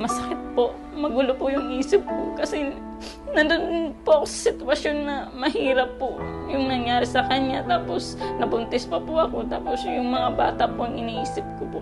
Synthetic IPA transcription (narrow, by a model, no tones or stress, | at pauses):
mɐsɐkɪt̪̚poʔ | mɐɡuːlopʊjʊŋʔiːsɪp̚kokɐsɛ | nɐnd̪onnpoʔɐkosɐ̥sɪt̪wɐʃjonːɐmɐhiːɾɐpːo | jʊŋnɐŋjaːɾɪsɐkɐɲat̪aːposnɐbʊnt̪ɛspɐpʊʔɐko̞t̪aːposjʊŋmɐŋaba̰ːt̪ɐʔpoɐŋɪniːʔiːsɪp̚kopo